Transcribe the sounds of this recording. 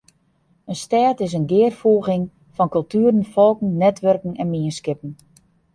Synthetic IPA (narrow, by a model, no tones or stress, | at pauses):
ənstɛːtɪs̬ənɡɪːrfoəɣɪŋ | fɔnkɵlˠtyːɾən̩fɔlˠkn̩nɛtʋørkəŋ̩ɛnmiənskɪpən̩